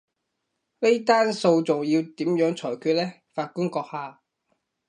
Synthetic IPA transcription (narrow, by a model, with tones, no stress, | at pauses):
ne˥jt̪aː˥nso˧wt͡sʊ˨ŋjiː˧wt̪iː˨˥mjœː˨˥ŋt͡sʰɔː˨˩jkʰyː˧t̚lɛː˥ | faː˧t̚kʊ˥nkɔː˧k̚haː˧